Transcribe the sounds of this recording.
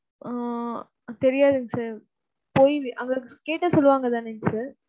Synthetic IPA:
aː | t̪ɛɾɪjaːðɯŋɡɐsaːɾ | poːjʋiʔɐŋɡɐkeːʈːɐsɔlːʋaːŋɡɐt̪aːnɛnsaːɾ

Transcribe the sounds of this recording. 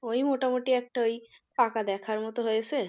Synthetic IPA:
ojmoʈamoʈiɛk̚ʈaojpakad̪ɛkʰaɾmɔt̪oɦojet͡ɕʰe

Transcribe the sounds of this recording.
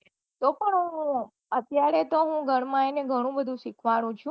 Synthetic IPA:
t̪opəɳɦũ | ət̪jaɾet̪oɦũɡʱəɽmãeneɡʱəɽ̃ũbəd̪ʱũʃikʰʋañũt͡ʃʰũ

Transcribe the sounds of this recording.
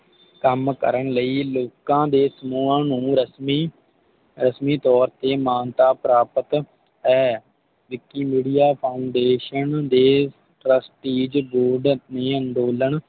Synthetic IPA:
kəmkə̰ɾəɳləiːloːkãːd̪eːsəmuːãːnũːɾəsmiː | ɾəsmiːt̪ɔːɾt̪eːmaːnt̪aːpɾaːpət̪ | ɦɛː | ʋɪkːiːmiːɖijaːpʰaːʊɳɖeːʃənd̪eː | ʈɾəsʈiːd͡ʒboːɾɖnẽːənɖ̪oːləɳ

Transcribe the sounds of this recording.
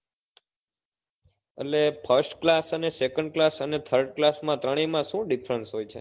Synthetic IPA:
ḛʈlepʰəɾsʈklasənesekəɳɖ̚klasənet̪ʰəɾɖklasmãt̪ɾəɽ̃imãʃũɖifɾənsɦojt͡ʃʰḛ

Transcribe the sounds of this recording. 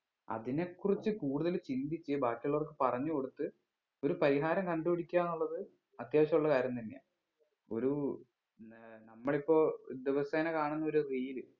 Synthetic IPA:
ɐ̰ðine̞kːurit͡ɕːɨkuːɽuðɐlt͡ɕind̪it͡ɕːɨbaːkːiɐɭo̞rkɨpɐrɐɲːɨko̞ɽut̪ːɨ | o̞ɾupɐɾiɦaːɾɐmkɐɳɖupɐɽikʲːaːnuɭːɐðɨ | ɐt̪jaːʋɐɕɐmuɭːɐkaːɾjɐmt̪ɐnːeja̰ː | o̞̰ɾu | nɐmːɐɭipːo̞ːd̪eʋɐseːnɐkaːɳunːɐo̞ɾuriːlɨ

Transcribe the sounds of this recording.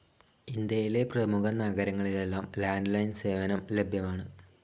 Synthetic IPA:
ind̪jɐjile̞prɐmuɣɐnaɣɐɾɐŋːɐɭile̞lːaːmlaːnɖlɐjnse̞ːʋɐnɐmle̞bʱjɐmaːɳɨ

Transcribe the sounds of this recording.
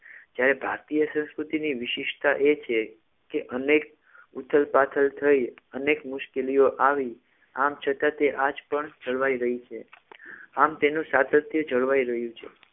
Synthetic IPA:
d͡ʒjaɾebʱa̰ɾt̪ijəsə̃w̃skɾut̪iniʋɪʃɪʃt̪aʔet͡ʃʰe | keʔənek̚ | ut̪ʰəlpat̪ʰəlt̪ʰəiənekmʊʃkelijoʔaʋi | amt͡ʃʰət̪ãt̪eʔad͡ʒpəɳd͡ʒəɭʋaiɾəɦit͡ʃʰe | amt̪enũsad̪ət̪ʰjəd͡ʒəɭʋaiɾəɦjũt͡ʃʰe

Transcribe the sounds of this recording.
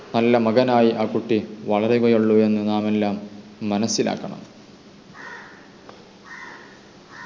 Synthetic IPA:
nɐlːɐmɐɡɐnaːjiʔaːkːuʈːiʋɐɭɐɾeɣɐjuɭːue̞nːɨnaːme̞lːaːmːɐnɐsːilʔa̰ːkːɐɳɐ̰m

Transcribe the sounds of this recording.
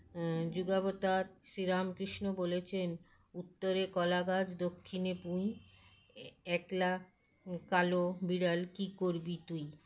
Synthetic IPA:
d͡ʑuɡabot̪aɾʃiɾamkɾiʃnobolet͡ɕʰen | ut̪ːoɾekɔlaɡad͡ʑd̪okʰːinepũj | ɛkla | kalobiɽalkikoɾbit̪uj

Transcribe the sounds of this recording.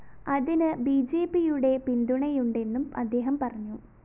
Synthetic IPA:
ɐðinɨbid͡ʑe̞ːpːijuɽe̞pind̪uɳɐjuɳɖe̞nːumɐ̰d̪ːe̞ːɦɐmpɐrɐɲːu

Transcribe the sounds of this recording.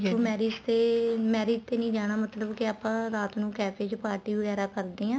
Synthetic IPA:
oːmɛːɾɪd͡ʒt̪eːmɛːɾiːd͡ʒt̪eːnĩːd͡ʒaːɽ̃aːmət̪ləbkɪaːpãːɾaːt̪nũːkɛːpʰeːt͡ʃpaːɾʈiːʋəɣɛːɾaːkəɾd̪iːãː

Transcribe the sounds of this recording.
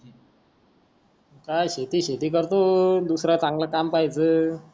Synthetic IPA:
kajɕet̪iɕet̪ik̬ʌɾt̪od̪usɾat͡sãŋɡlakampajt͡sɨ

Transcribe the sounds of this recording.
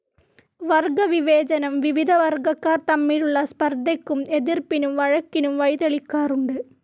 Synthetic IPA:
ʋɐrɡɐʋiʋeːt͡ɕɐnɐmʋiʋid̪ʱɐʋɐrɡɐkːaːrt̪ɐmːiːɾuɭːɐspɐrd̪ekːumeðirpinumʋɐɻɐkːinumʋɐjðɐɭikːaːruɳɖɨ

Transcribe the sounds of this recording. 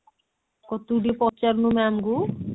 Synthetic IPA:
kot̪uɖipɔtt͡ʃaɾnumamɡu

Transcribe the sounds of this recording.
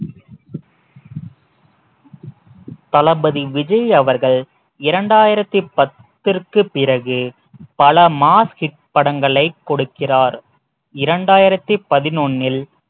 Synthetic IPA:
t̪ɐlɐbɐðiʋɪd͡ʒɐɪɐʋɐɾɣɐɭ | ɪɾɐɳɖaːjɪɾɐt̪ːipɐt̪ːɪrkɯpɪɾɐɣɯ | pɐlɐmaːshɪʈ̚pɐɽɐŋɡɐɭɐɪkːɔɽɯkːɪraːɾ | ɪɾɐɳɖaːjɪɾɐt̪ːipɐðɪnonːɪl

